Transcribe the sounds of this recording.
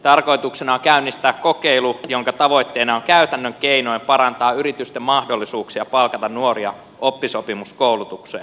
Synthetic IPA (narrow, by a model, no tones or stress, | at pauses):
t̪ɑrko̞it̪uksenɑoŋkæynːist̪æːkkokeilujoŋkɑt̪ɑʋo̞it̪ːeinɑoŋkæyt̪ænːøŋkeinoimpɑɾɑnt̪ɑːyɾit̪yst̪emmɑhdolːisuːksiɑpɑlkɑt̪ɑnnuoriɑ̰ | ʔopːisopimuskoulut̪uksejɑ